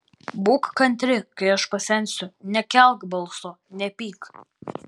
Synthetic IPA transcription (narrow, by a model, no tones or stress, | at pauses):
buːkkɐnʲt̪ʲɾʲɪkɐɪɐʃpɐsʲɛnʲsʲʊnʲɛkʲɛlˠkbɐlˠˑsoː | nʲɛpʲiːk